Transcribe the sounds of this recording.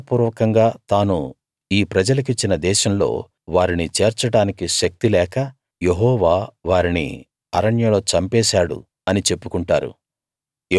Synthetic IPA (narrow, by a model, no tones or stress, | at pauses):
puːɾʋɐkɐŋɡaːt̪aːnu | iːpɾɐd͡ʒɐlɐk̬it͡ʃːinɐd̪ɛːʃɐmlo̞̰ː | ʋaːɾinit͡ʃeːɾt͡ʃɐɽaːnikiʃɐk̚t̪ilɛːkɐ | je̞ɦɔːʋaːʋaːɾinḭ | ɐɾɐɳjɐlo̞ːt͡ʃɐmpɛːʃaːɽṵ | ɐnit͡ʃe̞pːukuɳʈaːɾṵ